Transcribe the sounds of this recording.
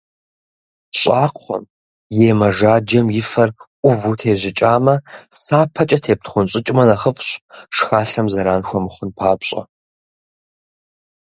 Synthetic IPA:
ɕʼaːqʰʷɔ̰m | jeːmɐʒaːd͡ʒɐmjɪfɐrʔʷʼʊvutʰeːʑɪt͡ʃʼaːmɐsaːpʰɐt͡ʃʼɐtʰeːp̚tχʷʊnɕʼɪt͡ʃʼmɐnɐχəfɕʼʂxaːɬɐmzɐɾaːnxʷɔmɨχʷʊnpʰaːpɕʼɐ̰

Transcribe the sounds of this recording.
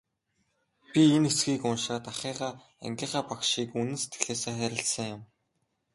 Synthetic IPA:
pʲienxesɡiːkʊnʃaːt̪aχiːʁaː | æ̰ŋɡʲiːχaːpakʃiːkunɘ̆nse̥t̪ɡɘ̆ɮeːseːχæɾʲɪ̆ɬsə̆ŋjʊm

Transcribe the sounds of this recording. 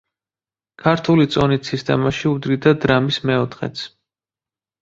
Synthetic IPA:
kʰaɾt̪ʰulit̪sʼɔnisist̪ʼɛ̰maʃiud̪ɾid̪ad̪ɾamismɛɔt̪ʰχɛ̰t̪sʰ

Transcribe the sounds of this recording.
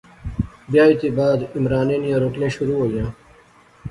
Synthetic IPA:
bjaːit̪iːbaːd̪ɪmɾaːnẽːnijãːɾoːʈlẽːʃʊɾuːɦoːjãː

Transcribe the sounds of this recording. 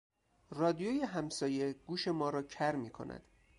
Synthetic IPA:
rɒːd̪ijojeɦæmsɒːje̞ɡ̥uːʃe̞mɒːɾɒːcʰæɾmiːkʰo̰nʔæ̰d̪̥

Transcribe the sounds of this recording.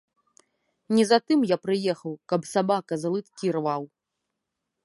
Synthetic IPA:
nʲɛzat̪ɨmjapɾɨjɛxɐwkɐpsabakɐzɐlˠɨt̪kʲirvaw

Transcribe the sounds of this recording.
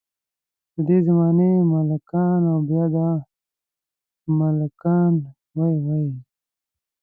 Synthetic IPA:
d̪əd̪ezamaːnemalakaːnawbjaːd̪a | malakaːn | wajwai

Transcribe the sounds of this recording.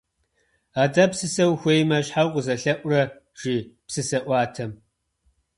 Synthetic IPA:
aːdɐpsɨsɐwxʷejmɐɕħawqəzɐɬɐʔʷʼʊrɐ | ʒ̥ipsɨsɐʔʷɑːtʰɐm

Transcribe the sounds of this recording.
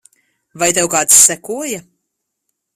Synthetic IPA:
vajt̪ɛwkaːt̪ssːɛkuɔja

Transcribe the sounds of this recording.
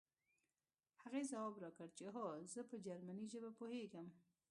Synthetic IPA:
haɣezawɑbɾɑkəɽt͡ʃeɦozəpəd͡ʒaɾmaniʒəbapoheɡəm

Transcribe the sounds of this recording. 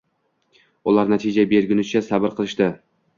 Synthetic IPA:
ʊlˠaɾnat̪ʰɪd͡ʒabeɾɡʲɪnɪt͡ʃʰasabɪɾqʰɨlˠɪʃt̪ɪ

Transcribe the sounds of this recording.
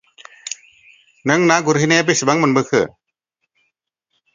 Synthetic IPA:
nɯŋnaɡuɾɦɯnep̬isibaŋmənbɯkʰɯ

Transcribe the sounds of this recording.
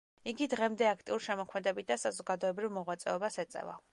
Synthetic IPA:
iɡid̪ʁɛmd̪ɛakʰt̪ʼiuɾiʃɛmɔkʰmɛd̪ɛbit̪̚d̪asazɔɡad̪ɔɛbɾivmɔʁwat̪sʼɛɔbasɛt̪sʼɛ̰va̰

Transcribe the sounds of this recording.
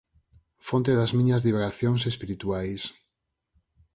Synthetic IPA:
font̪eðazmĩɲɐzðiβeɣaθjoŋsespiɾit̪uajs

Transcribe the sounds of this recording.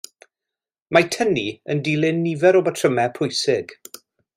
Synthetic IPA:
matʰəniəndilɪnːivɛɾobatʰrəmɛpʰʊjsɪɡ̥

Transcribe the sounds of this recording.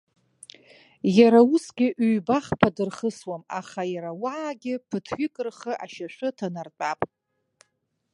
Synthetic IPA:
jaɾausɡʲɪʔɥɥbaχpʰadɨrχəswamaχajaɾawaːɡʲɪpʰɨtʰɥɪkʼɨrχəʔaʃaʃʷʰɨtʰanart͡pʷʼapʼ

